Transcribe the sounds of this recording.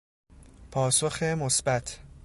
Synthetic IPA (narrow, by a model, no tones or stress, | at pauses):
pʰɒːso̞xemosbæt̪ʰ